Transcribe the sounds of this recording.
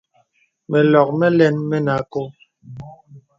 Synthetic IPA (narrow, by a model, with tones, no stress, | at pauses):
mɛ˨lɔ˨k̚mɛ˦lɛ˦˨nmɛ˦na˨˦ko˦